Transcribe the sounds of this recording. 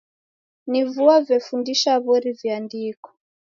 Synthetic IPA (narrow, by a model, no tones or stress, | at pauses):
nivuavɛfundiʃaβɔɾiviandikɔ̥